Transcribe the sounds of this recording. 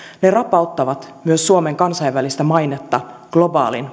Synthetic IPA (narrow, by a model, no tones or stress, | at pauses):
nerɑpːɑot̪ːɑʋɑt̪myøsːuomeŋkɑnsɑjʋʋælist̪æmɑjnet̪ːɑɡ̥lo̞bɑ̰ːlḭn